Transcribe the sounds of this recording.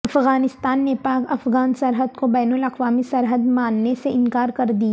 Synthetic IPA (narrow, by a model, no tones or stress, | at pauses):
ɐfɣaːnɪst̪aːnːepaːkɐfɣaːnsɐɾɦəd̪kobɛːnəlɐqʋaːmisɐɾɦəd̪maːnːeseɪ̃nkaːɾkɐɾd̪ia